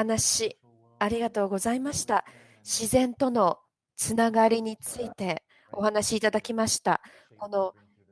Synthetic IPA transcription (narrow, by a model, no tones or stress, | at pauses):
anaɕi | aɾʲiɡat̪o̞ːɡo̞zaimaɕi̥t̪a | ɕizẽ̞nt̪o̞no̞ | t͡sɨnaɡaɾʲiɲ̟it͡sɨit̪e̞ | o̞hanaɕiːt̪ad̪akʲimaɕi̥t̪a̰ | ko̞no̞